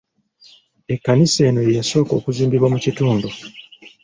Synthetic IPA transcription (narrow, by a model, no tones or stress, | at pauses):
e̞kːanise̞ːno̞jeso̞ːko̞̰ːkuziːmbiβwamucituːndu